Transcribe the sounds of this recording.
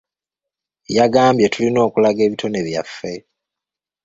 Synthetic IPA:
jaɡaːmbjetulino̞ːkulaɡe̞ːβitʰo̞ne̞βja̰fːe̞

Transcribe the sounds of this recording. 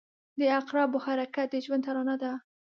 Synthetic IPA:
d̪əaqɾɑbohaɾakat̪̚d̪əʒwand̪taɾɑnad̪a

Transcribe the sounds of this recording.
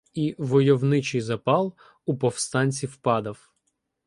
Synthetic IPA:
iʋɔjɔwnɪt͡ʃɪjzɐpɑlˠ | upɔwst̪ɑnʲt͡sʲiwpɑd̪ɐw

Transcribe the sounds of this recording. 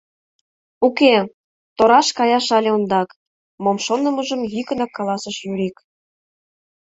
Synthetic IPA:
uke | t̪oɾɑʃkɑjɑʃɑlʲeond̪ɑk | momʃonə̆məʒə̆mjykə̆nɑkːɑlɑsəʃjuɾik

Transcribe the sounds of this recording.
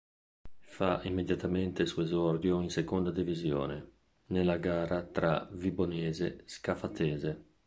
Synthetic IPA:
faʔimːed̪jat̪ament̪esuezɔrd̪joinsekond̪ad̪ivizjo̰ːne | nelːaɡaːɾat̪ɾa̰vibonɛːzeskafat̪ɛːze

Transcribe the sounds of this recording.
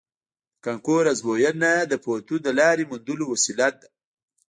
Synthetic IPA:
kaŋkoɾazbojanad̪əpot̪ud̪əlɑːɾimund̪ulowasilat̪̚

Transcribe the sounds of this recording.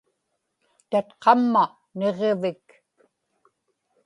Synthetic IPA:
t̪at̪qɑmːa | ne̞ʁevɪk

